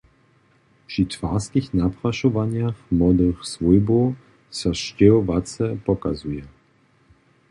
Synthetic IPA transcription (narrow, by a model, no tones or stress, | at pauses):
pʂit̪vaʁskixnapʁaʃɔvaɲjaxmɔd̪əxsvujbo | saʃcɛɔvat͡sɛpɔkazujɛ